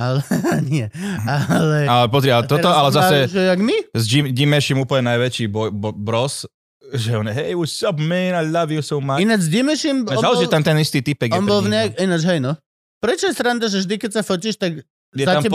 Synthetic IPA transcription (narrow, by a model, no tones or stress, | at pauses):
alnɪɛalɛalɛpɔzɾialɛt̪ɔt̪ɔalɛzzasɛʒɛaɡmizd͡ʒimɟimɛʃimuːpl̩ɲɛnajʋɛt͡ʃiːbɔbbɾɔs | ʒɛɔnjɛɦɛjuʃsɔbmɛnalaʋiusɔʊmainad͡ʒzɟimɛʃimɔalɛiɛamt̪ɛnist̪iːt̪ipɛɡjɛnt̪ɔlvɲɛakinat͡ʃɦɛjnɔ | pɾɛt͡ʃɔjɛst̪ɾand̪aʒɛvʒd̪ikɛtsafɔciʃt̪aɡ | jɛtzaamap